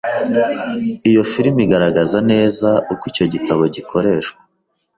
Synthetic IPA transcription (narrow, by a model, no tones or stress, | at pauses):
ijo̞fiɾimiɡaɾaɡazane̞ːzaʔukwico̞ɟitaβo̞ɟikʰo̞ɾe̞ːʃkwḁ